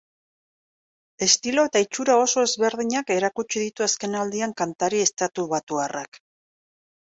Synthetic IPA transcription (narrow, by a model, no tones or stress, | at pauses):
e̞st̪ilo̞e̞t̪ait͡ʃuɾao̞so̞e̞zβe̞ɾðiɲake̞ɾakut͡ʃiðit̪uaske̞nald̪iaŋkant̪aɾie̞st̪at̪uβat̪uarak